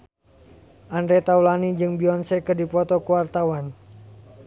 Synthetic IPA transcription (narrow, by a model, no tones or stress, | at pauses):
ʔandɾɛt̪aulanid͡ʒɨŋbiɔnsɛkərdipɔt̪ɔkuwart̪awan